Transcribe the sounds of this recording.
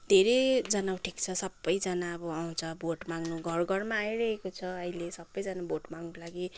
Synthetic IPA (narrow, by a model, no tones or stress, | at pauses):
d̪ʱeɾʌjd͡zʌnaw̃ʈʰikt͡sʰʌsʌbːʌjd͡zʌnaʌbʌaw̃t͡sʰʌboʈmaŋnuɡʱʌrɡʱʌrmaːjɾʌɦekot͡sʰʌʌilesʌbːʌjd͡zʌnaboʈmaŋnʌkolaɡi